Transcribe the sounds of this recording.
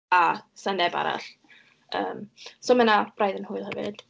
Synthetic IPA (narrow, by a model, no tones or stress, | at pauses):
asanɛba̰ɾa̰ɬ | əːmsomənab̥rajðənhʊɨlˠhəvɨ̰d̥